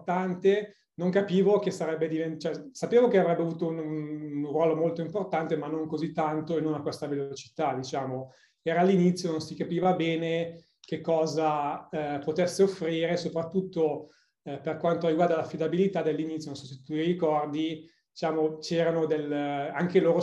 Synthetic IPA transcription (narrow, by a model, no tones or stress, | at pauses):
t̪ant̪e | noŋkapiːvokesaɾɛbːed̪ivent͡ʃɛsapeːvokeavɾɛbːeavuːt̪oununnrwɔːlomolt̪oimport̪ant̪emanːoŋkozit̪ːant̪oenːonakwɛst̪avelot͡ʃi̥t̪ad̪it͡ʃaːmo | ɛːɾaːlːinit̪sːjononsikapiːvabɛːne | kekːɔːza | pot̪ɛsːeofɾiːɾesopɾat̪ːut̪ːo | perkwant̪oriɡward̪alafːid̪abilit̪ad̪elːinit̪sjononsɔset̪uirikɔrd̪i | d̪it͡ʃaːmot͡ʃɛːɾanod̪elaŋkeloːɾo